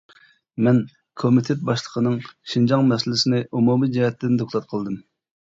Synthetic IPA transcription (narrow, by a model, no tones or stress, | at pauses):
mɛn | kʰomit̪ʰet̪̚bɑʃlˠə̥qʰənɨŋʃind͡ʒɑŋmɛsɪlɪsɪnɪʔumumid͡ʒɛɦɛt̪ːɪnd̪okʰlˠɑt̪̚qʰəlˠd̪ɨm